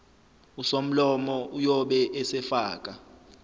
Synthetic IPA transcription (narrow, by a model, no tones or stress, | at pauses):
usom̩lɔmɔʔujɔɓɛʔɛsɛfaːk̬ʼa